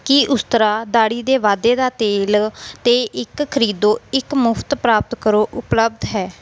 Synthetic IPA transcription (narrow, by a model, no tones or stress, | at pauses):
kiːʔʊst̪əɾaːd̪aːɽiːd̪eːʋaːd̪eːd̪aːt̪eːlt̪eːʔɪkkʰəɾiːd̪oːɪkmʊpʰt̪pɾaːp̚t̪kəɾoːʔʊpləb̚d̪ɦɛː